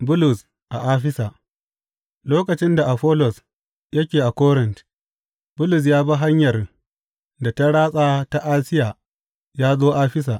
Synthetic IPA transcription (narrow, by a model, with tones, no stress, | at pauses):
bʊ˦lʊ˨s | ʔa˨ʔaː˦ɸɪ˦sa˨ʔ | loː˦kɐ˨t͡ʃɪ˦nda˨ʔa˨ɸɔː˦lɔ˨s | jɐ˦kʲeː˨ʔa˨kɔː˦ɾɪ˨nt | bʊ˦lʊ˨s̬jaː˦ba˦ɦa˦ɲjɐ˨r | da˨ta˦ɽaː˦sʼaː˦ta˦ʔaː˦sɪ˦jaː˨ | jaː˦zoː˦ʔaː˦ɸɪ˦s̬aː˨ʔ